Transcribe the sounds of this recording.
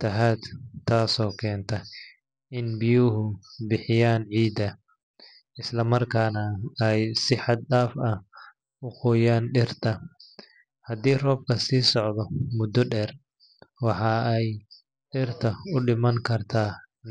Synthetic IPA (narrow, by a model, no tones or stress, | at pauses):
t̪ʰɐɦaːd̪t̪ʰaːsɔːkʰɛːnt̪ʰɐ | ɪnbɪjʊɦʊbɪħɪjaːnʕiːd̪ɐ | ɪslɐmɐrkʰaːnɐɛjsɪħɑd̪̚ɗaːfɐ | ʊqʊːjaːnɖɪrt̪ʰɐ | hɐd̪iːrɔːb̚kʰɐsiːsɔʕd̪ɔmʊd̪ɔɖɛːr | wɑħɑɛj | ɖɪrt̪ʰɐʊɖɪmɐŋkʰɐrt̪ʰaː